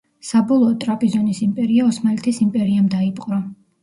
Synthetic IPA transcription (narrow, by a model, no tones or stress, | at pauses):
sabɔlˠɔːt̪ʼɾapʼizɔnisimpʼɛɾiaɔsmalit̪ʰisimpʼɛɾiamd̪aipʼqʼɾɔ